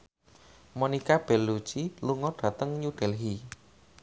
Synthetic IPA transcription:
monikab̥ɛ̤lːut͡ʃiluŋɔɖ̥ä̤t̪əŋɲuɖ̥ɛlɦi

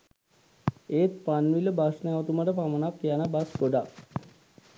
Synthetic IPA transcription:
eːt̪̚panʋiləbasnaʋot̪uməʈəpamənakːijanabasɡoɖak

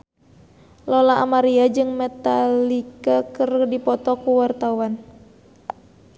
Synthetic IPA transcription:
lɔlaʔa̰maɾiad͡ʒɨŋmɛt̪alikakɨrdipɔt̪ɔkuwart̪awan

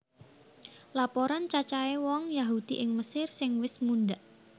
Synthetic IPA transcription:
lapoɾant͡ʃat͡ʃaewɔŋjaɦud̪̥iʔɪŋməsɪrsɪŋwɪsmunɖaʔ

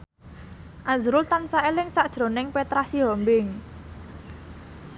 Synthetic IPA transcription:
ʔazɾʊlt̪ansaelɪŋsaʔd̥ʒ̥ɾo̤nɪŋpet̪ɾasiɦɔmbɪŋ

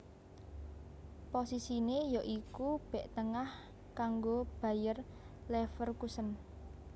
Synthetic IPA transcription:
posisinejɔʔikub̥ɛ̤ʔt̪əŋah | kaŋɡob̥a̤jər | lɛfərkusən

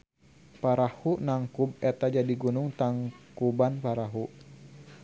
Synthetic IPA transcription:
paɾahuʔnaŋkubɛt̪ad͡ʒadiɡunʊŋt̪aŋkubanpaɾaɦu

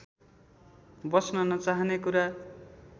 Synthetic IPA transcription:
bʌsnʌnʌt͡saɦʌnekuɾa

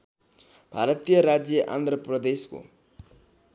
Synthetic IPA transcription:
bʱaɾʌt̪ijʌɾad͡zjʌʔa̰nd̪ʱrʌprʌd̪esko̰

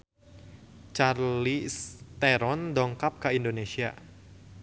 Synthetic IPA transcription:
t͡ʃarlist̪eɾɔndɔŋkap̚kaindonesia̰

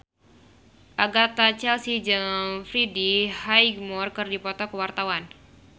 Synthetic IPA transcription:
ʔaɡat̪at͡ʃɛlsid͡ʒɨŋfɾidihajɡmɔrkɨrdipɔt̪ɔkəwart̪awan

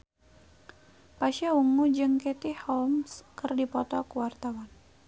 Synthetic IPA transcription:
paʃauŋud͡ʒɨŋkɛt̪ihɔmskərdipɔt̪ɔkuwart̪awan

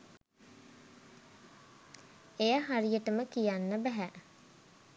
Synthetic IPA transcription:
ejəɦaɾijəʈəməkijanːəbæɦæ

